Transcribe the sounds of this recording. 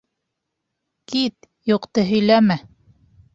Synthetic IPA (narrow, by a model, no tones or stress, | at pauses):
kit̪ | joqt̪ɤɦɵ̆jlæmæ